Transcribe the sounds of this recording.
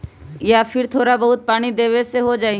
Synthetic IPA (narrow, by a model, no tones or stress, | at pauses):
japʰɪɾt̪ʰoːɾabɐɦʊt̪̚paːɽ̃id̪eːʋeseɦod͡ʒaːi